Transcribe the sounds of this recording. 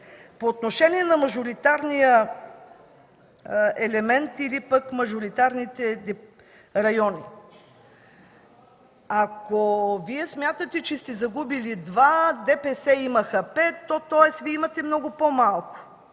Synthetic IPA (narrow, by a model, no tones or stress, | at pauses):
poːt̪noʃɛnʲiɛnɐmɐʒʊɾit̪aɾnijə | ɛlɛmɛnt̪ilipəkmɐʒoɾit̪aɾnit̪ɛd̪ɛ | ɾɐjɔni | akoviɛsmʲjat̪ət̪ɛt͡ʃɛst̪ɛzɐɡubilid̪vad̪ɛpɛsɛimɐxɐpɛt̪ːɔt̪ɔjɛsviɛimɐt̪ɛmnɔɡʊpomalˠkʊ̥